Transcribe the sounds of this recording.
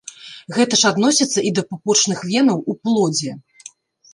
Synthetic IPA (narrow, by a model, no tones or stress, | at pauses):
ɣɛt̪ɐʂad̪nɔsʲit̪sːɐʔid̪ɐpupɔt͡ʂnɨxvʲɛnɐwuplˠɔd͡zʲɛ